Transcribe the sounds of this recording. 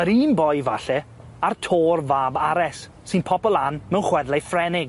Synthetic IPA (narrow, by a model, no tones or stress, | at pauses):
əɾiːnbɔjvaɬɛ | artʰoːrvaːbaɾɛsː | ɨnpʰɔpɔlˠanmɛwnχwɛðlˠejfrɛnɪɡ